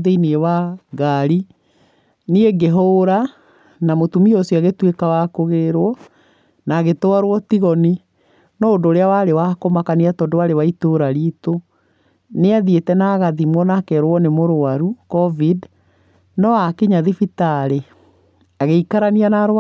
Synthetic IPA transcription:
ðeinewaɡaɾi | nieɡeɦoɾa | namotumiɔsiaɣetwekawakoɣeɾwɔ | naːɣetoaɾwɔtiɣɔni | nɔodoːɾeawaɾewakomakaniatɔdowaɾewaitoɾaɾito | neaðietɛnaɣaðimwɔnakɛɾwɔnemoɾoaɾukɔvid | nɔakeɲaðifitaɾe | aɣeikaɾanianaɾw

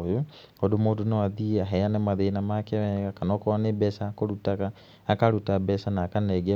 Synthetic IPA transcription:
jo | odomodonɔaðieaɦɛjanɛmaðenamakɛβɛɡakanɔkɔanebɛsakoɾutaka | akaɾutabɛsanaːkanɛɡɛ

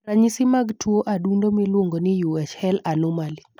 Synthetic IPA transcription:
raɲisɪmaɡtʰwoʔadundomilwoŋɡonɪjuɛt͡ʃhɛlanɔmali

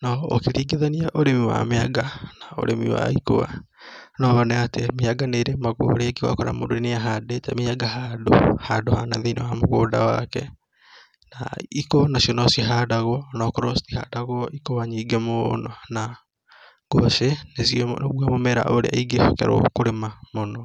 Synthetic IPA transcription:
nɔo̰keɾiːɡeðaniaʔoɾemiwa̰meaɡanao̰ɾemḭwa̰iko̰a̰ | nɔβanɛatemeaɡaneɾemaɣo̰ːɾeɡeɣwa̰kɔɾa̰modoeneaɦadetɛmeaɡaɦado̰hadohanaðenɛwamoɣoːda̰wa̰kɛ | naikonasiɔnɔsiɦadaɣwnɔkɾɔstiha̰daɣoʔikowaɲiːɡemonɔna | ɡoʃenesinβwamomɛɾa̰ʔoɾḛa̰iɡefɔkɛ̰ɾo̰koɾemamonɔ

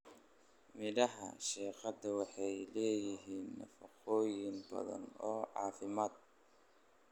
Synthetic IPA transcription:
mɪðɐɦɐ̰ʃɛːqɑd̪ɐwɑħɑjlɛːjɪɦiːnːɐ̰fɐqɔːjɪnbɐ̰ðɐ̰nɔːʕɑːfɪmaːd̪̚

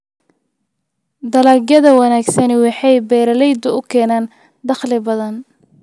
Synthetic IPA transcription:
d̪ɐlaːɡjɐðɐwɐnaːɡsɐnɛwɑħɑjbɛːɾɐlɛjd̪ʊʊkʰɛːnaːn | d̪ɑχlɪbɐðɐn

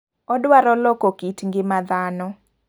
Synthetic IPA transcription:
ɔdwaɾɔlɔkɔkitŋɡɪmaðanɔ

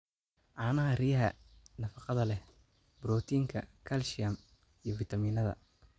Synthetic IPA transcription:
ʔɑːnɐɦɐrijɐɦɐ̰nɐfɑqɑðɐlɛ | bɾɔːt̪ʰiːŋkʰɐ̰kʰɐlʃɪɐm | ijɞfit̪ʰɐmiːnɐðɐ̰

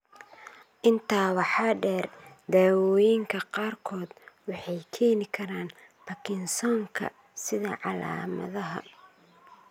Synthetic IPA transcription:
ʔɪnt̪ʰaːwɑħɑːɖɛːrd̪aːwɔːjɪŋkʰɐqɑːrkʰɔːd̪wɑħɑjkʰɛːnɪkʰɐɾaːn | pɐkʰɪnsɔːŋkʰɐ̰ | sɪðɐʕɑla̰ːmɐ̰ðɐɦɐ̰

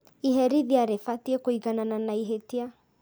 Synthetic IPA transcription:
iɦɛɾiðiaɾefatiekoiɣanananaiɦetia

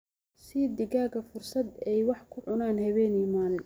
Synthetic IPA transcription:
sɪd̪ɪɣaːɡɐfʊrsɐd̪ɛjwɑħkʰʊʕʊnaːnhɐβɛːniːmaːl

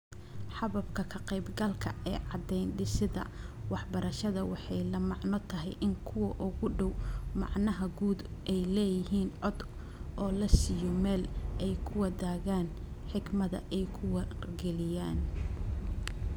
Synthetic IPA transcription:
ħɑβɐbkʰɐkʰɐqɛjbɡɐlkʰɐɛːʕɑd̪ɛjnɖɪsɪðɐ̰wɑħbɐɾɐʃɐðɐwɑħɑjlɐmɑʕnɔt̪ʰɐɦɛ̰jʔɪŋkʰʊwɐʔʊɣʊɖɔwmɑ̰ʕnɐɦɐɡuːd̪ʔɛjlɛːjɪɦiːnʕɔd̪ | ʔɔːlɐsijɔmɛːlɛjkʰʊwɐd̪aːɣaːn | ħɪɡmɐðɐ̰ʔɛjkʰʊwɐɡɛlɪjaːn

